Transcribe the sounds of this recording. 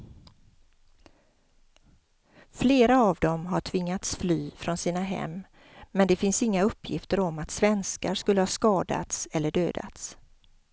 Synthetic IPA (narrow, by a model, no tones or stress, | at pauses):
fleːɾaavd̪ɔmɦaʈʰvɪŋːat̪sflyːfɾɔnsiːnaɦɛ̰mː | mɛnd̪ɛfɪnsɪŋːaɵpʰːjɪ̰ft̪əɾɔmːat̪svɛnskaɾskɵlːəhɑskɑːd̪a̰t̪sɛlːəɖøːd̪a̰t̪s